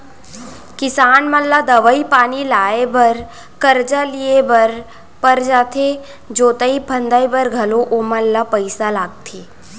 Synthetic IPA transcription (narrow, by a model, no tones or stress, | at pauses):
kɪsaːnməlːad̪əʋəipaːnilaːebəɾ | kəɾd͡ʒaliebəɾ | pəɾd͡ʒaːt̪ʰe | d͡ʒoːt̪əipʰə̃nd̪ajbəɾɡʱɐloʔoməlːapəɪsalaːɡ̚t̪ʰeː